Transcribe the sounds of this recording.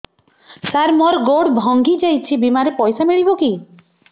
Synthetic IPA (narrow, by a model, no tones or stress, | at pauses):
saɾmɔɾɡoɽbʱɔŋɡid͡ʒajt͡ʃʰibimaɾepɔjsameɭiboki